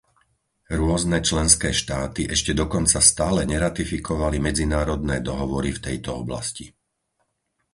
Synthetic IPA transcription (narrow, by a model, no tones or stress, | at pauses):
ɾʊɔznɛt͡ʃlɛnskɛːʃt̪aːt̪iʔɛʃcɛd̪ɔkɔnt͡sast̪aːlɛɲɛɾat̪ifikʰɔʋalimɛd͡zinaːɾɔd̪̚nɛːd̪ɔɦɔʋɔɾift̪ɛjt̪ɔɔbla̰sci